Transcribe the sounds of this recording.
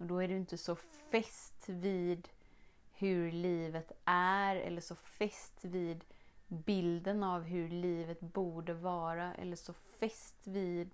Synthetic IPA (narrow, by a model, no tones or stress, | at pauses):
ɔd̪ɔæɖɛɪnt̪əsɔfɛst̪viːd̪ | hɵɾliːvət̪ʔæɾɛ̰lːəʂɔfɛst̪viːd̪bɪld̪ənavɦɵliːvət̪buːɖəvɑːɾaʔɛ̰lːəʂɔfɛst̪viːd̪